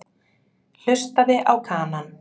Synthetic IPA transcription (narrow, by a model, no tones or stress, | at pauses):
l̥ʏst̪aðɪʔawkʰaːnan